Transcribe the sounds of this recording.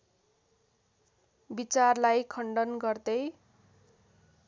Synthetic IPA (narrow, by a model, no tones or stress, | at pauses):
bit͡sarlajkʰʌɳɖʌnɡʌrd̪ʌj